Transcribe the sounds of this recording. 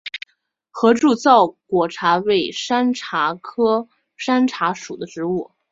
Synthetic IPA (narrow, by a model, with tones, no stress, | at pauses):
xɤ˧˥ʈ͡ʂu˥˧t͡sɑ˥˩ʊkwɔ˨˩ʈ͡ʂʰa˧˥we˥˩ɪʂa˥nʈ͡ʂʰa˧˥kʰɤ˥ | ʂa˥nʈ͡ʂʰa˧˥ʂu˨˩d̪ə˦ʈ͡ʂɻ̩˧˥u˥˩